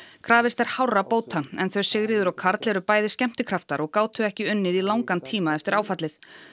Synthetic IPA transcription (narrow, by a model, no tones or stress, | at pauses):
kʰɾaːvɪst̪ɛɾ̥hawrːapoːwt̪ʰaɛnθœɥsɪɣɾɪːðʏɾawkʰaɾt̪lɛɾʏpaːjðɪscɛm̥t̪ɪkʰɾaft̪aɾɔɣkaːwt̪ʏɛhcɪʏnːɪðilawŋkant̪ʰiːmaɛft̪ɪɾaːwfat̪lɪθ